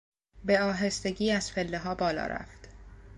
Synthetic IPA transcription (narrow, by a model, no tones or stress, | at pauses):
be̞ɒːɦe̞st̪e̞ɟiːæz̥fe̞lːeɦɒːbɒːlɒ̰ːɾæ̰ft̪